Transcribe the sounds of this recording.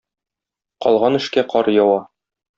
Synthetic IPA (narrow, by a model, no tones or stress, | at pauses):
qɒlˠʁɑnɘ̆ʃkæqʰɒɾjɒwɑ